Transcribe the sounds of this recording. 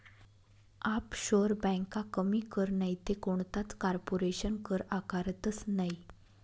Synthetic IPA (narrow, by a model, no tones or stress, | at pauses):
apɕoɾbə̃kakəmiːkəɾnait̪ekoɳt̪at͡skaɾpoɾeɕənkəɾakaɾt̪ət͡snai